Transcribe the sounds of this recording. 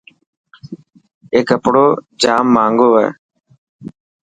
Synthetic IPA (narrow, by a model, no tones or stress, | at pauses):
eːkːəpɽoːd͡ʒaːmːaːŋɡoːʋɛ̰ː